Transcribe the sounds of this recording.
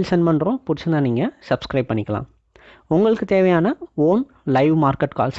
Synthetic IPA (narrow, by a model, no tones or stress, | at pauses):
lsɐnmɐɳɖɾõːpʊɾɪt͡ʃːɐnaːniːŋɡɐsɐbskɾɐɪb̚pːɐɳːɪkːɐlã̰ː | ʊŋɡɐɭɯkːɯt̪eːʋɐjaːnɐoːn | lɐɪʋmaːɾkɐʈːka̰ːls